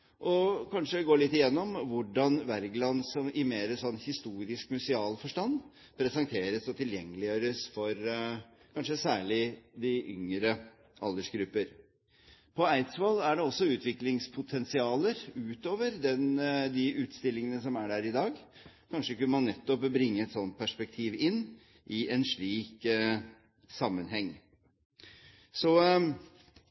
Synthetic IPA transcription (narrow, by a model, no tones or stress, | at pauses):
ʔɔkʰɑnʂəɡoːɭɪt̪ːɪjɛnːɔmʋʊɖɑnʋæɾɡlɑnsɔmʔɪmeːɾəsɔnːhɪst̪uːɾɪskmʉsɪɑːlfɔʂʈɑnd̪ | pʰɾɛsɛnt̪ʰeːɾəsɔt̪ʰɪljɛŋːəlɪjøːɾəsfɔɾ | kʰɑnʂəsæːɭɪd̪ɪʔʏ̰ŋɾə | ʔɑld̪əʂɡɾʉpːəɾ | pʰɔæɪt̪sʋɛlæɖɛɔsːɔʉːt̪ʋɪklɪŋspʰʊt̪ʰɛnsɪɑːləɾʉːt̪oːʋəɾd̪ɛnd̪ɪʔʉːt̪st̪ɪlːɪŋənəsɔmæɖæɾɪd̪ɑːɡkʰɑnʂəkʉnəmɑnːɛt̪ːɔpbɾɪŋːəɛt̪sɔnt̪̚pʰæʂpɛk̚t̪ʰiːʋɪnː | ʔɪʔɛnʂɭiːk | sɑmːənɦɛŋː | sɔ